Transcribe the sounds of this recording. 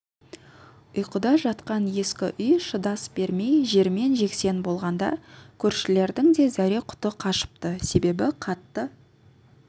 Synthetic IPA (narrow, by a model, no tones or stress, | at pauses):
ʊjqʊd̪ɑʒɑt̪qɑnje̞skʲɪʔʏjʃəd̪ɑsbe̞ɾme̞jʒe̞ɾme̞nʒe̞kse̞nbo̞lˠʁɑnd̪ɑ̰kʲʰɵɾʃɪle̞ɾd̪ɪŋd̪e̞zæɾe̞qʰʊ̥t̪əqʰɑʃə̥p̚t̪əse̞be̞bɪqʰɑt̪ːə